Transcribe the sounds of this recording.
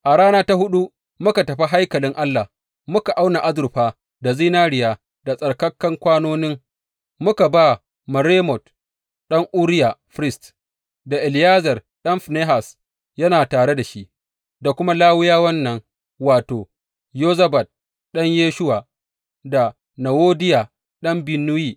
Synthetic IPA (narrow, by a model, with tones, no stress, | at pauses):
ʔa˨ɽaː˦naː˦ta˦hʊ˦ɗu˦ | mʊ˦ka˨tɐ˨ɸi˦ɦa˦jkɐ˨lɪ˦ŋʔa˦lːa˨ | mʊ˦ka˨ʔa˦wna˨ʔa˦zʊ˨ɾɸaː˦ | da˨ziː˦naː˦ɽɪ˦˨jaː˦ | da˨sʼɐ˨ɽkɐ˦kːɐ˦ŋkʷaː˦noː˦nɪ˦ŋ | mʊ˦ka˨ba˦ | mɐ˨ɾeː˦mɔ˨t | ɗɐ˦ŋʔu˦ɾɪ˦ja˨ɸɾɪ˦st | da˨ʔɪ˨lɪ˨jaː˦zɐ˨r | ɗɐ˦mɸneː˦ɦa˨s | jɐ˦naː˨taː˨ɽe˦da˨ʃi˦ʔ | da˨kʷʊ˦ma˦laː˦wɪ˦jaː˦wɐ˦nːɐ˦ŋ | waː˨toː˨ | joː˦zɐ˦ba˨t̚ | ɗɐ˦ɲjeː˦ʃʊ˦wa˨ | da˨ | na˨woː˦dɪ˦ja˨ | ɗɐ˦mbɪ˨nːʊ˦jiː˦